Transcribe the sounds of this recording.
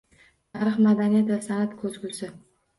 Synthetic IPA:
t̪ʰaɾɨχmad̪anijat̪vasanat̪kʲʰɵzkʲʊsɪ

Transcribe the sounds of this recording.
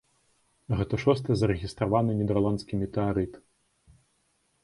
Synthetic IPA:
ɣɛt̪ɐʂɔst̪ɨzɐɾɛɣʲist̪ɾavanɨnʲid̪ɛrlˠant̪skʲimʲit̪ɛaɾɨt̪

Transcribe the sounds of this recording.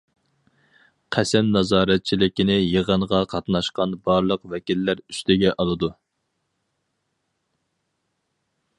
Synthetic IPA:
qʰæsɛmnɑzɑːɾɛt̪̚t͡ʃʰilɪkʲinɪjəʁəɴʁɑqʰɑt̪nɑʃqɑnbɑɾlˠəqvɛkʲilːæɾyst̪ɪɡʲɛʔɑlˠɨd̪u

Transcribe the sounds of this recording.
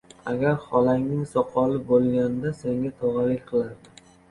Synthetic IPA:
aɡʲaɾχɒlaŋnɪŋsɒqʰɒlɪbolˠɡʲand̪ase̞ŋɡʲat̪ʰɒʁɑlɪkʲqʰɨlˠaɾd̪ɪ

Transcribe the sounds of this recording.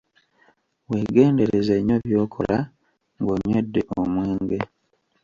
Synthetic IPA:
weːɡe̞ːnde̞ɾezeɲoβjo̞ːkʰo̞̰la | ŋɡoɲwedːe̞ʔomweːŋɡe

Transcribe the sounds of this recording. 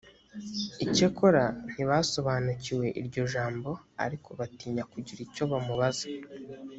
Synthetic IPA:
ice̞ko̞ɾan̥iβaːso̞βaːnuciwe̞ʔiɾɟo̞ʒaːmbo̞a̰ɾikʰo̞βatiːɲakuɟiɾico̞βamuβazḁ

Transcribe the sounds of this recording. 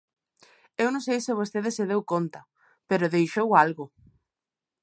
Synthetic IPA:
ewnõŋs̬ejsɪβ̞ost̪eðɪseð̞ewkont̪ɐ | peɾʊðejʃowalɣʊ

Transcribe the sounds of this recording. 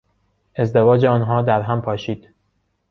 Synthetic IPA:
e̞zd̪evɒːd͡ʒeɒːnɦɒːd̪æɾɦæmpʰɒːʃiːd̪̥

